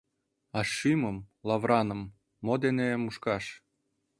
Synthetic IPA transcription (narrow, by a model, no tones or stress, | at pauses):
ɑʃiməmlɑvrɑnɤ̆mː | od̪enemuʃkɑʃ